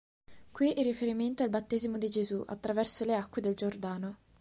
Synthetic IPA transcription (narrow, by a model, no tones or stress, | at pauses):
kwiʔirːifeɾiment̪oalbat̪ːeːzimod̪id͡ʒezuʔa̰t̪ːɾavɛrsoleakːwed̪eld͡ʒord̪aːno